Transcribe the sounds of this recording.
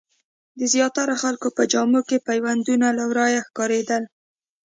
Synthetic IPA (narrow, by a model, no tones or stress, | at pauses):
d̪əzjɑt̪aɾaxalkopəd͡ʒɑmokepajwand̪unalawɾɑjaxkɑɾed̪əl